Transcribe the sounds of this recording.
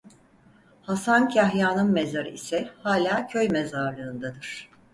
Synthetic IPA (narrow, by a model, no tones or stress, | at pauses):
hasancʰaɦjaːnɯmmezaɾɯ̰ḭsɛhaːlʲaːcʰø̞jmezaɾlˠɯːnd̪ad̪ɯɾ̥